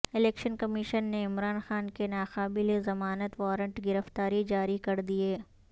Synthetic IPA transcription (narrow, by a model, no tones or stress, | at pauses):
ɪleːkʃənkɐmɪʃənːeɪmɾaːnxaːnkenaːxaːbɪlezɐmaːnət̪ʋɔːɾə̃ɳʈɡɪɾəft̪aːɾid͡ʒaːɾikɐɾd̪ieː